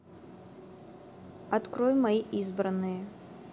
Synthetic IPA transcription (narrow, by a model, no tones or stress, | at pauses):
ɐt̪kɾojmɐiʔizbɾɐnːɨjə